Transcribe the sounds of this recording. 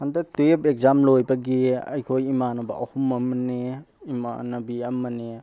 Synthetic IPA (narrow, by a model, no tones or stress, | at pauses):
ɐndɐtepek̚zamlojbɐɡiɐ̰jkʰojimanɐbɐ̰ʔɐhumɐmɐne | ima̰nɐbiɐmɐne